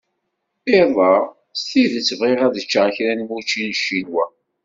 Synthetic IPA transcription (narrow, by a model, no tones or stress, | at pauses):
eðˤɑʁ | st̪iðət͡sːəvʁeʁæðət͡ʃːaʁçɾænmut͡ʃːinʃːinwæ